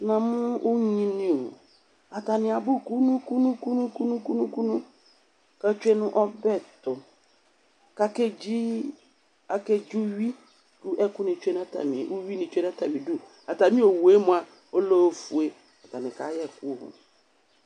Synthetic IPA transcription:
nã˨m̃ʊ̃˦ʊ˦ɲ˦ɲĩ˦nĩ˦˨ | a˨ta˨nɪ̃˨a˨bʊ˦ku˦nũ˦ku˦nũ˦ku˦nũ˦ku˦nũ˦ku˦nũ˦ku˦nʊ̃˦ | ka˦t͡ʃᶣe˦nʊ̃˦ʔɔ˦bɛ˦tʊ˨ | ka˦ke˦d͡ʒi˦ | a˨ke˦d͡ʒu˦ɥi˦ | d̥u˦ʔɛ˦kʊ˦nɪ̃˨t͡ʃᶣe˦n˦a˦ta̰˨mḭ̃˨ʔu˦ɥi˦nɪ̃˨t͡ʃᶣe˦n˦a˦ta˨mĩ˨du˦ | a˨ta˨mĩ˦o˨wu˨e˦mʊ̃˨˦a˨ | o˦lo˦fu˨e˦ | a˨ta˨nɪ̃˨ka̰˨˦jɛ˦˨kʊ˦hʊ̰̃˨

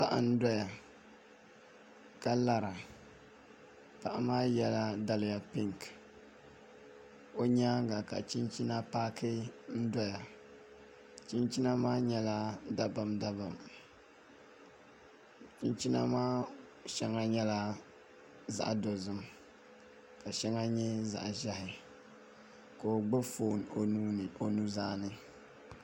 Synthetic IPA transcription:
pa˦ʔa̰˨n̩˦da˦ja˨ | ka˦la˦ɾa˨ | pa˨ʔa˨maː˦jɛ˦la˦da˨lɪ˨ja˨pi˦ŋk | o˦ɲa˦ɡa˨ka̰˨t͡ʃi˦nt͡ʃi˦na˦paː˦kɨ˦n̩˦da˦ja˨ | t͡ʃi˦nt͡ʃi˦na˦maː˦ɲɛ˦la˦da˦ba˨mda˦ba˨m | t͡ʃi˦nt͡ʃi˦na̰˦maː˦ | ʃɛ˦ŋa˦ɲɛ˦la˦ | za̰˨ʔdo˨zɨ˦m | ka˨ʃɛ˦ŋa˦ɲɛ˦za̰˨ʔʒɛ˦hɪ˨ | ko˨ɡ͡bɨ˦fo˨n˨˦˨o˨nu˦zaː˦nɨ˦

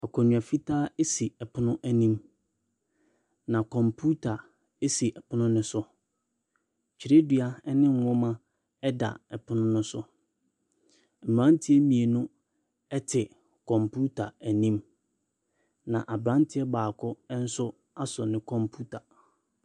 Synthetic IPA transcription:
a˨kʰɔ˨ɲũ˨a˨fi˦tʰaː˦e˦si˨ɛ˨pʰʊ˦nʊ̃˦ʔæ˨nĩ˦m | nã˨kʰɔ̃˨mpʰu˦tʰa˨ | e˦si˨ʔɛ˨pʊ˦nʊ̃˦nɪ̃˦sʊ˦ | t͡ɕʰi˨ɾe˦dɥa˦ɛ˦nɪ̃˦ŋ˨wɔ̃˦mã˦ | ɛ˦da̰˨ɛ˨pʰʊ˦nʊ̃˦nʊ̃˦sʊ˦˨ | mũ˨ã˦n˦tʰɪ˦ɛ˦mĩ˨e˨nʊ̃˦ | ɛ˦tʰɪ˨ | kʰɔ̃˨mpʰu˦tʰa̰˨æ˨nĩ˦m | nã̰˨ʔa˨bɾã˦n˦tʰɪ˦ɛ˦baː˨kʰɔ˦ɛ˦n̩˦sʊ˦ | a˦sɔ˨nɪ̃˦kʰɔ̃˨mpʰu˦tʰa˨

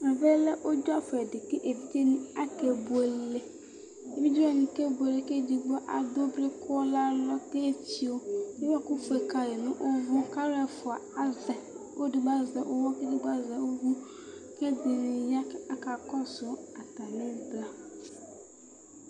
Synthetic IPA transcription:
mɛ˨be˦lɛ˦ʔo˦d͡ʒʊ˦a˦fʊ˨ɛ˨dɪ˨ke˦ʔe˨bi˦t̪e˦nʊ̃˦a˦ke˨bʊ˨e˨le˨ | e˨bi˦d͡ʒa˦˨nĩ˨kɛ˦bʊ˨e˨le˨ke˦di˨ɡ͡bɔ˦ʔa˨d̪o˦bɾe˦kʊ˦ɔ˦la˦lɔ˦te˦t͡ɕi˦o˦e˦wa˦kʊ˦fʊ˨ɛ˨ka˨jɛ˨nʊ̃˦ʔo˦vʊ˦ka˦ɾɛ˦˨fʊ˨a˨a˦zɛ˨o˦dɪ˨ɡ͡ba˦zɛ˨ʔo˦wɔ˦ke˦dɪ˨ɡ͡ba˦zɛ˨o˦ɡu˦ke˦d̪ɪ˨nɪ̃˨ja˦a˦ka˨kɔ˦sʊ˨a˨t̪a˨nɪ̃˦bla˦

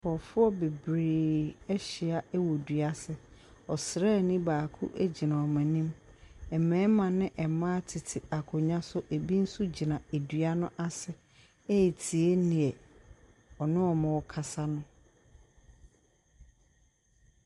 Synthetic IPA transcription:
fɔ˨fʊ˦ɔ˦be˨bɾeː˨ɛ˦ɕɪ˨a˨ʔɛ˦wɔ˨dɥa˦sɪ˨ | ɔ˨sɾɛ˦˨nĩ˦baː˨kʰʊ̰˦ʔæ˦d͡ʑi˨nã˨ɔ˨mã˨nĩ˦m | ɛ˨mɛ̃˨˦mã˨nɪ̃˦ʔɛ˨mã˦tʰɪ˨tʰɪ˨a˨kʰʊ˨ɲã˦sʊ˦ʔe˨bi˦n̩˦su˦d͡ʑi˨nã˨e˨dɥa˦nʊ̃˦ʔa˦sɪ˨ | ɛ˦˨tʰi˨e˦nɪ̃˨ɛ˨ | ɔ˨nɪ̃˦ɔ˨mã˨wɔ˦kʰa˨sa˦nʊ̃˦

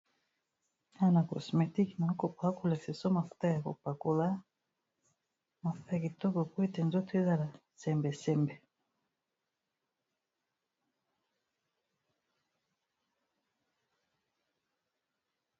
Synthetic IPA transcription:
a˦na˨kɔ̰˨sme˨ti˦kna˨˦ko˨pa˦ku˦˨la˨se˨sɔ˦ma˨fu̥˦ta˦ja˨ko̰˨pa˨ku˨la˦ | ma˨fu̥˨˦ta˦ja˨ki˨tɔ˦kɔ˨kwe˦tɛ˨nzo˦te˦za˦la˨sɛ˨mbɛ˨sɛ˦mbɛ˨

